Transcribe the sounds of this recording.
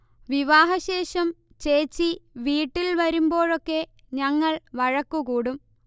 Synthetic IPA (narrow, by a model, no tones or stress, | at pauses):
ʋiʋaːɦɐɕe̞ːʂɐm | t͡ɕe̞ːt͡ɕːiʋiːʈːilʋɐɾumbo̞ːɻo̞kːe̞ | ɲɐŋːɐɭʋɐɻɐkːukuːɽum